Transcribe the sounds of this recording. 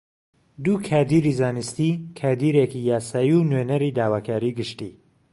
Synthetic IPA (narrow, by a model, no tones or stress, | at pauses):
d̪ukʰaːd̪iɾiːzaːnɨst̪ikʰaːd̪iːɾekijaːsaːjiunwenɛɾiːd̪aːwaːkʰaːɾiːɡɨʃt̪ḭː